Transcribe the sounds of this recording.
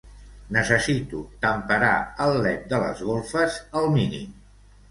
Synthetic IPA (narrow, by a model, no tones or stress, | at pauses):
nəsəsit̪ut̪əmpəɾa̰əlːɛt̪̚d̪ələ̰zɣolˠfəzəlˠminḭm